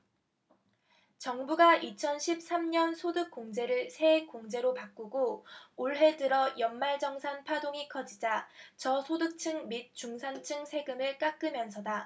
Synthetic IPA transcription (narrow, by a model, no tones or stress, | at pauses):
t͡ɕʌŋbuɡaʔit͡ɕʰʌnɕʰip̚s͈amɲʌnsʰodɯk͈̚oŋd͡ʑe̞ɾɯɭsʰe̞ek͈oŋd͡ʑe̞ɾopak͈uɡooɭɦe̞dɯɾʌjʌnmaɭd͡ʑʌŋsʰanpʰadoŋikʰʌd͡ʑid͡ʑat͡ɕʌsʰodɯk̚t͡ɕʰɯŋmit̚t͡ɕ͈uŋsʰant͡ɕʰɯŋsʰe̞ɡɯmɯɭk͈ak͈ɯmjʌnsʰʌda